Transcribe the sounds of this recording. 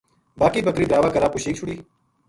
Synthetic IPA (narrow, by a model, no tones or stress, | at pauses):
baːkiːbəkɾiːdɾaːʋaːkəɾaːpkʊʃiːkt͡ʃʰʊɽiː